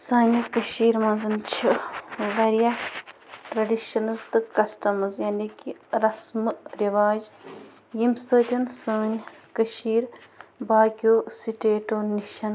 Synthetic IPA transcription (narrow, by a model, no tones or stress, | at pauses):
saːnʲɐkɐʃiːɾmɐzɐnt͡ʃʰiɡɐɾjɐ | ʈɾɐɖiʃɐnɐzt̪ɨkɐsʈɐmɐzjaːnikiɾɐsmɨɾiʋaːd͡ʒ | jimsəːt̪ʲɐnsɐːnʲkɐʃiːɾbaːkʲoːsiʈeːʈoːniʃɐn